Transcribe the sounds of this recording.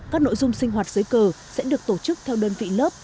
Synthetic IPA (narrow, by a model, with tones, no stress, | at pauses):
kaː˦˥k̚no̰˧˨jzʊ˧ŋ͡msï˧ŋ̟ɦwaː˨˩t̚zɨː˨˦jkəː˨˩ | sɛ̰˧˥ɗɨ˨˩ək̚t̪o˧˩t͡ɕɨ˦˥k̚t̪ʰɛ˧wɗəː˧nvḭ˧˨ləː˦˥p̚